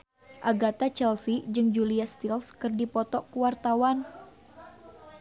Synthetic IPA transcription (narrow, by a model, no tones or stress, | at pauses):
ʔaɡat̪at͡ʃɛlsid͡ʒɨŋd͡ʒuliast̪ilskɨrdipɔt̪ɔkuwart̪awan